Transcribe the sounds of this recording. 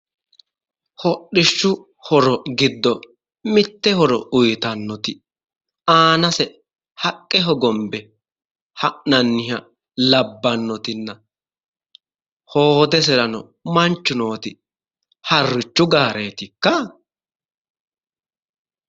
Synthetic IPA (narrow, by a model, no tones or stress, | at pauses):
hɔɗːɪʃːʊ | hɔɾɔɡɪd̪ːɔ | mɪt̪ːɛhɔɾɔ̰ʊjt̪ɐnːɔt̪ɪ | aːnɐsɛ | hɐkʼːɛɦɔɡɔmbɛ | hɐʔnɐnːɪɦɐ | lɐbːɐnːɔt̪ɪnːɐ | hoːd̪ɛs̬ɛlɐnɔ | mɐnt͡ʃːʊno̞ːt̪ɪ | hɐrːɪt͡ʃːʊɡaːɾe̞ːt̪ɪkːɐ